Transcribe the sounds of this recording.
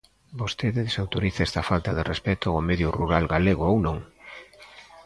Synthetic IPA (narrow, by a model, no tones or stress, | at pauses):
bost̪eðeðesawt̪oɾiθɛst̪ɐfalt̪aðerʔespɛt̪oomeðjuruɾalɡaleɣ̞oownõŋ